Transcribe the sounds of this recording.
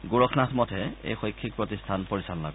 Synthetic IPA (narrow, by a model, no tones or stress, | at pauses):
ɡoɹɔkʰnatʰmɔtʰɛḛjxɔjkʰːik̚pɹɔtistʰanpoɹisalla̰ɡɔ